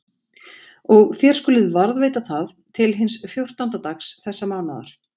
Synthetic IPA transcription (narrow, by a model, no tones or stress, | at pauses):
ɔɣθjɛɾ̥skʏːlɪðvaɾðveːjt̪aθaðt̪ʰɪlɦɪnsfjowr̥t̪ant̪at̪axsθɛsːamaːnaða̰ɾ̥